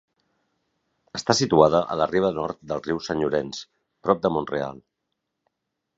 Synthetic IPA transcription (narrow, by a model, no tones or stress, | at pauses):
əst̪asit̪uaðəʔə̰ləriβ̞ənɔɾt̪̚d̪əlˠriwsəɲuɾens | pɾɔp̚d̪əmonrea̰lˠ